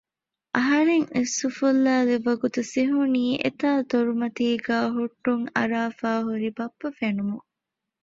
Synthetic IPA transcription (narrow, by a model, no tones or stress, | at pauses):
ʔɐɦɐɾeŋesːufulːaːleʋɐɡut̪usiɦuniːʔḛt̪aːt̪oɾumɐt̪iːɡæːɦuʈːuŋɐ̰ɾaːfaːɦuɾibɐpːɐfenumuŋ